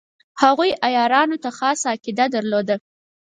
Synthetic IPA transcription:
haɣujajɑɾɑnot̪axɑsɑkɪd̪ad̪əɾlod̪a

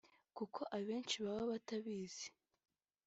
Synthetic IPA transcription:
kukʰo̞ʔaβe̞ːnt͡ʃiβaβaβataβiːz̥e̥

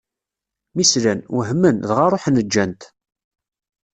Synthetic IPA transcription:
mislænwɦmːənðʁaɾˤoħnəd͡ʒːænt̪

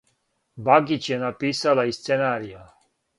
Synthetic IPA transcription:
baɡit͡ʃjɛnapiːsalaist̪senaːɾija

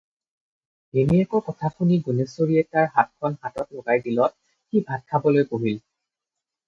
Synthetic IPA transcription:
eniɛkɔkɔtʰakʰuniɡunesoɹiɛtaɹɦat̚kʰɔnɦatɔtloɡajdilɔt̚ | xibʱad̚kʰabɔlojpoɦil

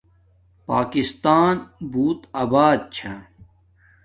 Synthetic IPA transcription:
paːkist̪aːnbuːt̪aːbaːd̪̚t͡ɕʰã

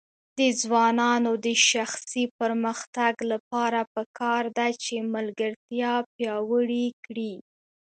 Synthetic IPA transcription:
d̪əd͡zwɑnɑnod̪əʃaxsipəɾməxt̪aɡlapɑɾapəkʰɑɾd̪at͡ʃemalɡəɾt̪jɑpjɑwəɽikɽi

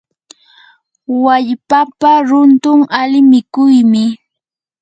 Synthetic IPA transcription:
waʎpapaɾʊnt̪ʊŋalɪmɪkʊjmɪ

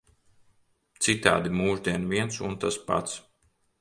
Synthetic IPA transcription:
t̪sit̪a̰ːd̪imuːʒd̪iɛnviɛnsunt̪aspa̰t̪s

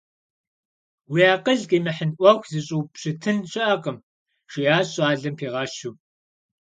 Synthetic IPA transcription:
wiaːqʼəɮqiːmɐħənʔʷɐxʷzɨɕʼuːpɕɪtʰɨnɕʼɪʔɐqʼəm | ʃijaːɕʼaːɮɐmpʰeːʁɑːʃu

